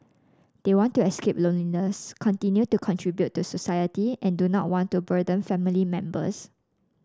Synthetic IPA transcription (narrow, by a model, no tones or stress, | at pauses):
d̥ewɔ̃ntːuɛskep̚lõnlinəskʰɔ̃ntĩnjutukʰɔ̃ntʰɹibjutːusosajətiʔɛ̃ndunɔt̚wɔ̃ntːubədə̃nfɛ̃milimɛ̃mbə̰s